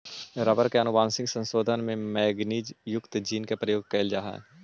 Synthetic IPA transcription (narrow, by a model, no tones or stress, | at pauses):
ɾəbəɾkeɐnʊbãːnsɪ̃ŋɡsə̃nsoːd̪ʱənmẽmɛːɡniːd͡ʒjʊkt̪d͡ʒiːnkepɾəjoːɡ̚keːld͡ʒaːɦɛ̰